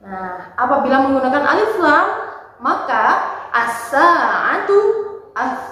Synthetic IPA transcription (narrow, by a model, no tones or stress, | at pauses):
nahʔapabilaməŋɡunakanʔa̰liflaŋ | makaʔasaa̰nt̪ua